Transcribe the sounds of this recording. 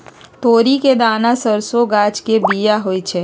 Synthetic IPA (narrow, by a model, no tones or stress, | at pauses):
t̪oːɾiked̪aːnasəɾsoɡaːd͡ʒkebijaɦoit͡ʃʰeː